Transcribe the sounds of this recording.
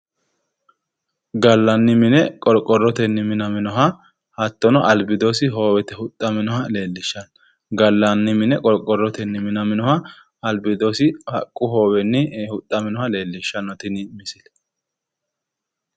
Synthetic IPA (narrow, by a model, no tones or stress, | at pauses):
ɡɐlːɐnːɪmɪnɛkʼɔɾkʼːɔrːɔt̪ɛnːɪmɪnɐmɪnɔɦɐ | hɐt̪ːɔnɔʔɐlbɪd̪osɪɦo̞ːwɛt̪ɛhʊt̪ʼːɐmɪnɔhɐle̞ːlːɪʃːɐn | ɡɐlːɐnːɪmɪnɛkʼɔɾkʼːɔrːɔt̪ɛnːɪmɪnɐmɪnɔhɐ | ɐlbɪd̪osɪhɐ̰kʼːʊɦo̞ːwɛnːɪhʊt̪ʼːɐmɪnɔhɐle̞ːlːɪʃːɐnːɔt̪ɪnɪmɪsɪl